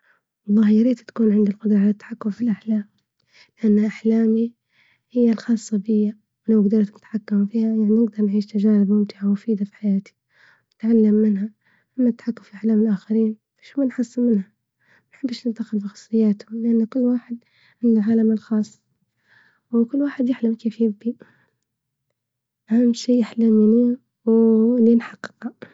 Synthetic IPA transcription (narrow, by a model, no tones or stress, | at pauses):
wɑlˤːɑːhjaɾiːt̪t̪ḁkuːnʕɪnd̪ɪlqʊd̪ɾɑʕalat̪ːḁħakːʊmfilʔaħlaːm | lɪʔanːaʔaħlaːmi | hɪjːalxɑːsˤːɑbɪjːa | wlawɡd̪ɑɾˤt̪nɪt̪ħakːamfiːhajaʕninɪɡ̚d̪ɑɾˤnʕiːʃt̪ad͡ʒaːnɪbmʊmt̪ɪʕawʊfiːd̪afi̥ħajaːt̪i̥ | nɪt̪ʕalːamːɪnɦa | ʔɪmːat̪ːḁħakːʊmfiʔaħlaːmɪlʔaxaɾiːn | faʃumanħɑsːɪlmɪnha | manħɪbːɪʃnɪd̪axɪlfixɑ̥sˤːɨjːaːt̪ʊlʔanːkʊlːwaːħɪd̪̚ | ʕɪnːalʕaːlamɪlxɑːsˤː | wkʊlːwaːħɪd̪jɪħlamkeːfjɪbːi | ʔahamːʃiːjɪħlamni | wlinħɑqːɪ̥qa